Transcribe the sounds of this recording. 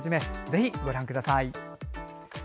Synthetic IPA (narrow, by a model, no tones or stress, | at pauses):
ʑime̞d͡ze̞çiɡo̞ɾãŋkɯd̪asai